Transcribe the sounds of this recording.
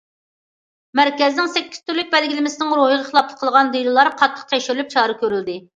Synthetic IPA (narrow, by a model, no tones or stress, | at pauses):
mæɾkʲɛznɪŋsɛkʲːi̥z̥t̪ʰyɾlːyk̚ʲbɛlɡʲilɪmɪsɪnɪŋɾoɦəʁəχəlˠɑp̚lˠə̥qʰəlˠʁɑnd̪ejlɨlˠɑɾqʰɑt̪ʰːə̥q̚t̪ʰɛʃyɾlyp̚t͡ʃʰɑːɾɨkʲʰøɾyld̪ɪ